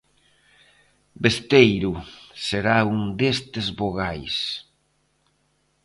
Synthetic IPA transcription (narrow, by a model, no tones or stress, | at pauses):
best̪ejɾuseɾauŋd̪est̪ezβoɣajs